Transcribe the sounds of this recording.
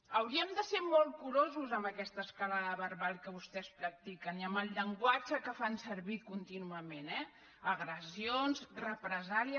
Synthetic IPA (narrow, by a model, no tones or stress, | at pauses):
əwɾiəmd̪əsemolˠkuɾozuzəmbəkɛst̪əːskalaðəβərβalˠkəβust̪ɛspɾək̚t̪ikəniəmbəlˠʎəŋɡwad͡ʒəkəfansəɾβikunt̪inuəmenɛ | əɣɾəzionzrəpɾəzaliə